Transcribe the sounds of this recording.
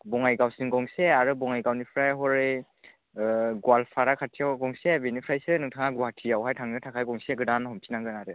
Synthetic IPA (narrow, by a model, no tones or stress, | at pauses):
bɔŋajɡawsɯŋɡɔŋseaɾɯbɔŋajɡawnipʰɾajɦɔɾe | ɡwalpʰaɾakʰatʰijawɡɔŋsebinipʰɾajsɯnɯŋtʰaŋaɡwatʰijawɦajtʰaŋnɯtʰakʰajɡɔŋseɡɯdanɦɔmtʰinaŋɡɯnaɾɯ